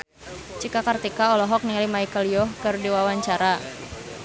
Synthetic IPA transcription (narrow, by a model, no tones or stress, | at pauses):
t͡ʃikakart̪ikaɔlɔɦɔk̚nialimaikəlijɔhkərdiwawaɲt͡ʃaɾa